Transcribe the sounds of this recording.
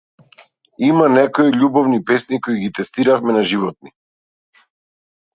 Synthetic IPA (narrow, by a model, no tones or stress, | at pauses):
imanɛkɔiʎʲubɔvnipɛsnikoiɡit̪ɛst̪iɾafmɛnaʒivɔt̪̚ni